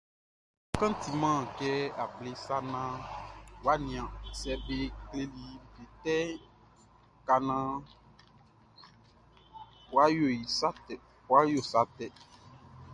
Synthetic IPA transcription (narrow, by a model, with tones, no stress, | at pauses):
kã˦t̪i˨mã˦˨kɛ˦a˨ble˨sa˦nã˦wa˦nĩ˨ã˨sɛ˨be˦kle˦li˨ve˨t̪ɛ˦ | ka˨nã˦ | wa˦jo˨ji˨sa˦tɛ˨ | wa˦jo˦˨sa˦t̪ɛ˨